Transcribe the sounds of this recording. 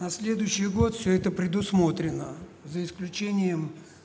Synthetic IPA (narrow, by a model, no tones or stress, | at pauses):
nɐsʲlʲe̞d̪ʊjɕːɪjɡo̞t̪fsʲɵɛt̪əpɾʲɪd̪ʊsmo̞t̪ɾʲɪnːəzəɪsklʲʉt͡ɕenʲɪjəm